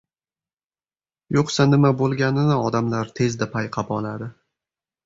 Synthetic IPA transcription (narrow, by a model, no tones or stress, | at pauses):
joqsanɪmabolˠɡʲanɪnɪɒd̪amlaɾt̪ʰe̞zd̪apʰajqʰɑpɒlad̪ɪ